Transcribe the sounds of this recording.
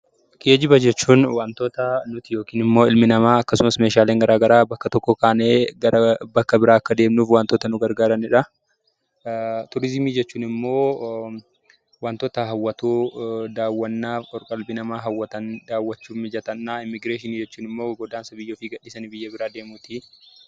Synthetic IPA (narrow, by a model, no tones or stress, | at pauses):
ke̞ːd͡ʒɪbɐd͡ʒɛt͡ʃːuːnwaːnt̪oːt̪ɐnʊt̪ɪjo̞ːkiːnɪmːo̞ːɪlmɪnɐmaːɐkːɐsʊmɐsme̞ːʃaːleːŋɡɐɾʔaːɡɐɾaːbɐkːɐt̪ɔkːɔkaːneːɡɐɾɐbɐkːɐbɪɾaːɐkːɐd̪e̞ːmnuːfwaːnt̪oːt̪ɐnʊɡɐɾɡaːɾɐnɪᶑɐ | t̪ʊɾɪzmiːd͡ʒɛt͡ʃːuːnɪmːo̞ː | waːnt̪ɔːt̪ɐɦɐwːɐt̪uːd̪aːwːɐnːaːfʼɔɾkʼɐlbɪnɐmaːɦɐwːɐt̪ɐnd̪aːwːɐt͡ʃːuːmmɪd͡ʒɐt̪ɐnːaːɪmːɪɡɾeːʃɪnid͡ʒɛt͡ʃːuːnɪmːoːɡɔd̪aːnsɐbɪjːoːfiɡɐᶑɪsɐnbɪjːɐbɪɾaːd̪e̞ːmuːt̪i